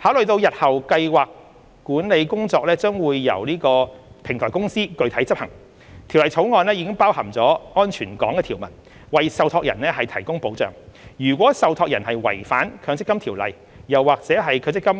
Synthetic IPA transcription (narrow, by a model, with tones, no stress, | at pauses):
haː˨˥wlɵ˨ɥt̪o˧wjɐ˨t̚hɐ˨˩wkɐ˧jwaː˨kː | uː˨˥nle˨˧jkʊ˥ŋt͡sɔː˧k̚lɛː˥t͡sœː˥ŋwuː˨˧jːɐ̰˨˩wliː˥kɔː˧pʰɪ˨˩ŋt̪ʰɔː˨˩kʊ˥ŋsiː˥kɵ˧ɥt̪ʰɐ˨˥jt͡sɐ˥p̚hɐ˨˩ŋ | t̪ʰi˨˩wlɐ˨jt͡sʰo˨˥wŋɔː˧nlɛː˥jiː˨˧kɪ˥ŋpaː˥whɐ˨˩mt͡sɔː˨˥ŋɔː˥nt͡ʃʰyː˨˩nkɔ̰ː˨˥ŋɛː˧i˨˩wmɐ̰˨˩n | wɐ˨jsɐ˨˧wt̪ʰɔː˧k̚jɐ̰˨˩nɛː˥hɐ˨jt̪ʰɐ˨˩jkʊ˥ŋpo˨˥wt͡sœ̰ː˨˩ŋjyː˨˩kʷwɔː˨˥sɐ˨wt̪ʰɔː˧k̚jɐ˨˩nhɐ˨jwɐ̰˨˩jfaː˨˥nkʰœː˨˧ŋt͡sɪ˥kːɐ˥mt̪ʰiː˨˩wlɐ̰˨˩j | jɐ˨wːaː˨k̚t͡sɛː˨˥ɦɐ˨jkʰɵ˨˧t͡sɪ˥kːɐ˥m